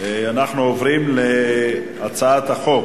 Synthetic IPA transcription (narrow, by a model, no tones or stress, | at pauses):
eanaχnuovʁimle | at͡saat̪haχo̞k